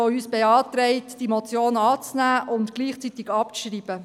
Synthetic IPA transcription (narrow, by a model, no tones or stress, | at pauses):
oyːsb̥eɑːt̪ɾɛɪtd̥imot͡sjoːnɑːt͡snæːʔʊntɡ̥liːχt͡sit̪ɪɡɑpt͡sʃriːb̥ə